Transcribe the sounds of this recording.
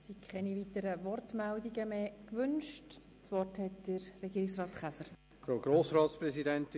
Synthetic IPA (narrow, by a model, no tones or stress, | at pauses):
sikʰχɛnivitəɾəvɔrtmɛldiɡəmeːkʋʏnʃt | t͡sʋɔrthɛtd̥əɾːɛɡiːɾɪksrɑːtχæsəɾ | fɾoːɡ̥ɾoːsɾɑːtspɾɛsidɛnt